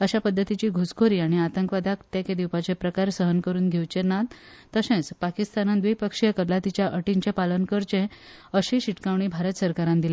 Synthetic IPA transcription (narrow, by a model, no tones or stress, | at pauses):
əɕapəd̪ʱːət̪it͡ɕiːɡʱoskoɾiːaɽ̃iat̪əŋkʋad̪akt̪jeked̪iwpat͡ɕepɾəkaɾsəɦənkəɾuːnɡʱewt͡ɕenat̪ | t̪əsẽt͡spakist̪anand̪ʋijpəkʂijəkəɾlat̪it͡ɕjaʔəʈiɲt͡ɕepalənkəɾt͡ɕẽəɕĩɕiʈkãʋɳ̃iːbʱaɾət̪səɾkaɾãnd̪ile